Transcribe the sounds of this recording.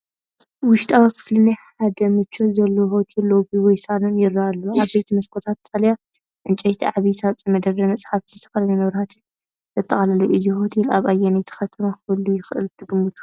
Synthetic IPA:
wʊʃt̪ʼawikʰɨ̥flɨnaħad̪ɐmɨt͡ʃʰːot̪zɐlːohot̪ʰilːobiwɔjsalonjɪɾːaalːuʔaβbejt̪ʰimɐskʰot̪ʰat̪ːʼalja | ʔɨnt͡ʃʼɐjt̪ʰiʕaβisat͡sʼimɐd̪ɐɾɐmɐt͡sʼħaft̪ʰizɨt̪ʰɐ̥fɐlɐnɐnɨβɾɐhat̪ʰɨn | zʰɐt̪ʼːɐχʼalɐluʔɨziho̞t̪ʰilaβajːɛnjt̪ʰɐ̥xɐt̪ʰɐmaxɨɨlːujɪxɨʔɨ̰lt̪ʰɨɡɨmːɨt̪ʰu̥

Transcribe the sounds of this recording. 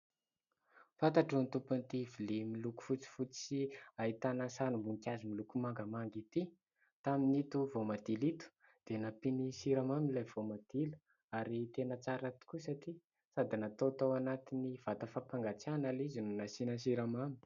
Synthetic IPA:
fant̪aʈ͡ʂont̪upunt̪ivilemiluku̥fut͡si̥fut͡siait̪anasanumbuŋkʲazimilukumaŋɡəmaŋɡit̪i | t̪aminit̪uvomad̪ilit̪u̥ | d̪̥enapinisiɾamamilajv̥omad̪̥ilə | aɾit̪enət͡saɾat̪i̥kusaʈ͡ʂi | sad̪inat̪ot̪awanat̪iniv̥at̪əfapaŋɡat͡sianalizinunasinəs̬iɾamami̥

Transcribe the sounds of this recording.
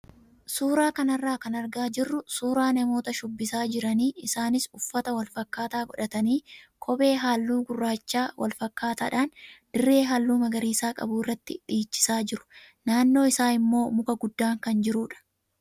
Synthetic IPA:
suːɾaːkɐnɐrːaːkɐnɐɾɡaːd͡ʒɪrːʊsuːɾaːnɐmo̞ːt̪ɐʃʊbːɪsaːd͡ʒɪɾɐniːʔɪsaːnɪsʊfːɐt̪ɐwɐlfɐkːaːt̪aːɡɔᶑɐt̪ɐniːkʰɔbe̞ːɦaːlːuːɡʊrːaːt͡ʃːaːwʔɐ̰lfɐkːaːt̪aːᶑaːnd̪̥ɪrːe̞ːɦaːlːuːmɐɡɐɾiːsaːkʼɐ̰buːɪrːɐt̪ːɪᶑiːt͡ʃːɪ̥saːd͡ʒɪɾʊ̥ | naːnːo̞ːɪsaːɪmːo̞ːmʊkɐɡʊd̪ːaːŋkɐnd͡ʒɪɾuːᶑɐ̥

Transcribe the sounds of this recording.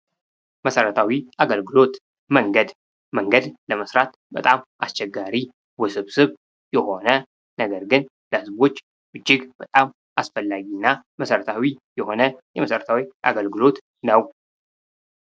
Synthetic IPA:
məsəɾət̪ʰawiʔaɡəlɡɨlo̞t̪ | məŋɡəd̪ | məŋɡəd̪ləməsɾat̪ | bət̪ʼamʔa̰st͡ʃɛɡːaɾi | wəsɨβsɨβ | jɛho̞nə | nəɡəɾɡɨn | ləhɨzβo̞t͡ʃː | ʔɨd͡ʒːɪɡbət̪ʼam | ʔasfəlːaɡinːajməsəɾət̪ʰawijɛho̞nəjɛməsəɾət̪ʰawiʔa̰ɡəlɡɨlo̞t̪ | nəw

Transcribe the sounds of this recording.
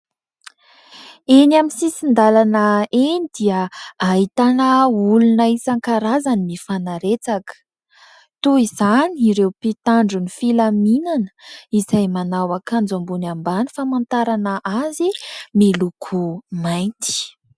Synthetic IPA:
enaminsisind̪alanəenid̪iəaɦit̪anəulunəisaŋkaɾazanimifanaɾet͡sakə̥ | t̪uizaniɾewpit̪aɳɖ͡ʐunifilaminanə̥izajmanawakʰand͡zambunambanifamant̪aɾanəʔazimilukʰumajnt̪i̥

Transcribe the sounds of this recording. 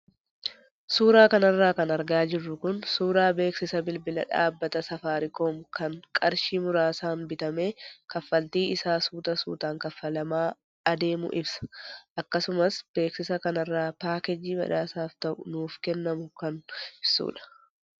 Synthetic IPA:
suːɾaːkɐnɐrːaːkɐnɐɾɡaːd͡ʒɪrːʊkʊnsuːɾaːbe̞ːksɪsɐbɪlbɪlɐ̰ᶑa̰ːbːɐt̪ɐsɐfaːɾɪkoːmkɐnkʼɐɾʃiːmʊɾaːsaːnbɪt̪ɐme̞ːkɐfːɐlt̪iːɪsaːsuːt̪ɐsṵːt̪aːŋkɐfːɐlɐmaː | ɐd̪e̞ːmʊ̰ʔɪbsɐ̥ʔɐkːɐsʊmɐsb̥e̞ːksɪsɐkɐnɐrːaːpaːkɛd͡ʒːiːbɐ̰ᶑaːsaːft̪ɐʔʊnuːfkɛnːɐmʊkɐnɪsṵːᶑɐ̥

